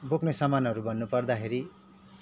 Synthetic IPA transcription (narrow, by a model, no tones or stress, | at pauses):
boknesʌmanɦʌɾubʱʌnːupʌrd̪axeɾi